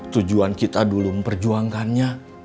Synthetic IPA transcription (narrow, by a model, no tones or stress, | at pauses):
t̪ud͡ʒuankit̪aduluməmpərd͡ʒuaŋkanɲa